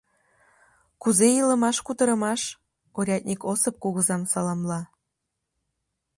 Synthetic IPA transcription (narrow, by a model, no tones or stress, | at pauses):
kuzejilə̆mɑʃkut̪ɤ̆ɾə̆mɑʃ | oɾʲɑt̪̚ʲnʲikosɤp̚kuɣɤ̆zɑmsɑlɑmlɑ